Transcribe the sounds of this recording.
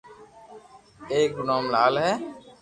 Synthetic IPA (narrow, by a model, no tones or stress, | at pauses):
eːk̚naːmlaːlɦɛː